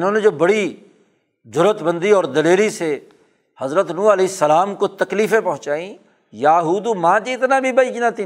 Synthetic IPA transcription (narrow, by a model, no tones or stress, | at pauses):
ɪnɦõːned͡ʒoːbɐɽi | d͡ʒʊɾət̪bə̃nd̪iɔːɾd̪ɐleːɾise | hɐzɾət̪nuːɐleɪsːəlaːmkot̪ɐkliːfẽpɐ̃ɦʊ̃t͡ʃaːĩ | jaːɦuːd̪umãːd͡ʒiɪt̪nabʱibɐiknat̪ĩ